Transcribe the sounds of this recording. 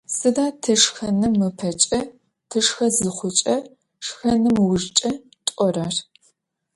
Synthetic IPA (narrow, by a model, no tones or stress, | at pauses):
sɨdaːtʰɐʂxɐnɨmːɨpʰɐt͡ʃʼɐ | tʰɨʂxɐzɨχʷʊt͡ʃʼɐ | ʂxɐnɨmwʊʒt͡ʃʼɐ | tʷʼɔraːr